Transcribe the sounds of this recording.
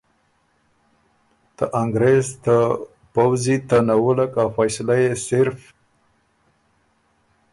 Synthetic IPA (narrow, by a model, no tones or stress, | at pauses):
d̪̥əʔaŋɡɾezt̪ə | pawzit̪anawulakawfajsalajesɪɾf